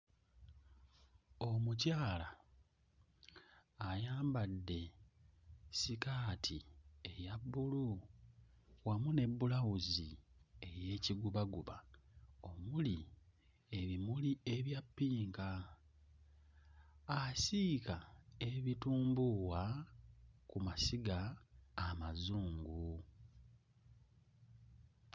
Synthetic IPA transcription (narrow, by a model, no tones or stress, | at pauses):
o̞mucaːla | jaːmbadːe̞ | sikaːtʰiejabːulu | wamune̞bːulawuzie̞je̞ːciɡuβaɡuβao̞muli | e̞βimulie̞βjapːiːŋka | sikae̞βituːmbuwa | kumasiɡaː | mazuːŋɡu